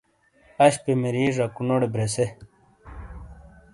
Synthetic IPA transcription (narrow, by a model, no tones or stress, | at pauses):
ɐɕpemeɾiːʐɐkunoɽebɾese